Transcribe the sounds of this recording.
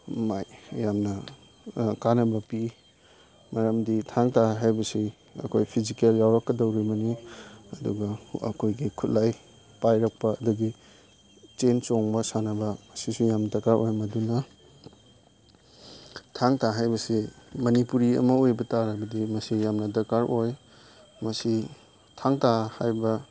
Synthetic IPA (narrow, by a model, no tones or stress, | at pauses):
majjamnɐ | kanɐbɐpi | mɐɾɐmditʰaŋtaɦajbɐsi | ɐ̰kʰojpʰizikeljawɾɐkːɐdɐwɾibɐniɐduɡɐɐ̰kʰojɡikʰut̚laj | pajɾɐk̚pɐːduɡi | t͡ʃent͡ʃoŋbɐsanɐbɐmɐsisujamnɐdɐkaɾʔojmɐdunɐ | tʰaŋtaɦajbɐsimɐnipuɾiɐ̰mɐojbɐtaɾɐbɐdimɐsijamnɐdɐkaɾʔoj | mɐsi | tʰaŋtahajbɐ